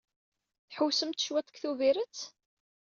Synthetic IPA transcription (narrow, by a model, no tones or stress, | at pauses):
θħuwsəmt̪ʃwæt̪ˤəkθuviɾət͡s